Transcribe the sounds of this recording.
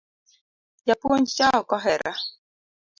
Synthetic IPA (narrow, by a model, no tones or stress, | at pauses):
japuont͡ʃakɔɦɛɾa